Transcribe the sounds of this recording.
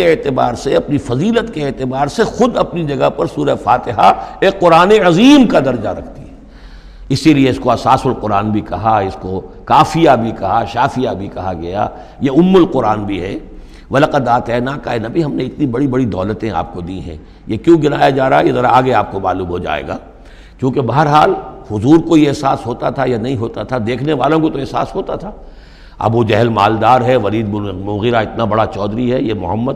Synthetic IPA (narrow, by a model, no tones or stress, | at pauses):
eeːt̪ɪbaːɾseɐpnifɐziːlət̪keːt̪ɪbaːɾsexʊd̪ɐpnid͡ʒɐɡapɐɾsuːɾəefaːt̪ɪɦaeːkːʊɾaːneɐziːmkad̪ɐɾd͡ʒaɾɐkʰt̪iɛ | ɪsilieɪskoɐsaːsʊlqʊɾaːnbʱikɐɦaɪsko | kaːfijabʱikɐɦaʃaːfijabʱikɐɦaɡɐja̰ | jeʊmːʊlqʊɾaːnbʱiɦɛː | ʋɐlaqad̪aːt̪ɛːnaːkaɦɛnɐbʱiɦɐmneɪt̪nĩbɐɽibɐɽid̪ɔːlət̪ẽa̰ːp̚kod̪iɦɛ̰̃ | jekjõɡɪnaːjad͡ʒaːɾaːɦɛjezɐɾaaːɡeaːp̚komaːlũːmɦod͡ʒa̰ːḛːɡa̰ː | kjõːkebɐɦəɾɦaːlhʊzuːɾkoieɛɦsaːsɦoːt̪at̪ʰajanɐɦĩɦoːt̪at̪ʰad̪eːkʰneʋaːlõkot̪oɛɦsa̰ːsɦoːt̪at̪ʰaː | ɐ̰bʋod͡ʒɛɦɛlmaːld̪aːɾɦɛʋɐliːd̪mʊɣɪɾaɪt̪nabɐɽat͡ʃɔːd̪ɾiɦɛjemʊ̰ɦəmːəd̪